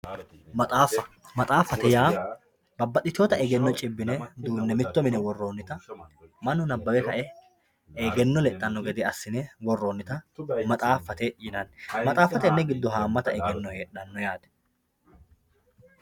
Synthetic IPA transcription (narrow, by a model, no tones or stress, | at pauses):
mɐt̪ʼaːfːɐ | mɐt̪ʼaːfːɐt̪ɛjaː | bɐbːɐtːɪt̪ɪoːt̪ɐʔɛɡɛnːɔt͡ʃʼɪbːɪnɛd̪uːnːɛmɪt̪ːɔmɪnɛwɔrːo̞ːnːɪt̪ɐmɐnʊnɐbːɐwɛkɐʔɛ | eɡɛnːɔlɛtʼːɐnːɔɡɛd̪ɪɐsːɪnɛwɔrːoːnːɪt̪ɐmɐt̪ʼaːfːɐt̪eʔɪnɐnmɐt̪ʼaːfːɐt̪ɛnːɛɡɪd̪ːɔɦaːmːɐt̪ɐɛɡɛnːɔheːᶑɐnːɔjaːd̪ɛ̥